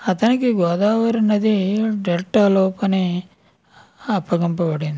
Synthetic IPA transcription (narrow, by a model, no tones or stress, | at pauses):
ɐt̪ɐnikiɡɔːd̪aːʋɐɾɐnɐd̪iɖelʈːɐlɔːpɐni | ɐpːɐɡɐmpɐbɐɽind̪i